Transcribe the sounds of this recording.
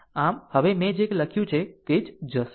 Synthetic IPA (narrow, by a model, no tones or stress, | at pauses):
amhəʋemẽd͡ʒekləkʰjũt͡ʃʰet̪ed͡ʒd͡ʒəs